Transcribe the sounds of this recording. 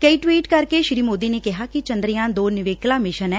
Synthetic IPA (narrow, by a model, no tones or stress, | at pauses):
kəiːʈwiːʈkəɾkeːʃɾiːmoːd̪iːneːkɪɦaːkɪt͡ʃənd̪ɾɪjãːd̪oːnɪʋeːklãːmɪʃənɛː